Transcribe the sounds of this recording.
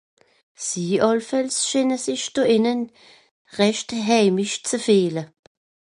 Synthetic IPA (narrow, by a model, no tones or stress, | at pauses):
siːʔɑlfɛlsʃɪnəsɪçd̥oːɪnən | ʁɛʃtɦɛɪmɪʃt͡səfeːlə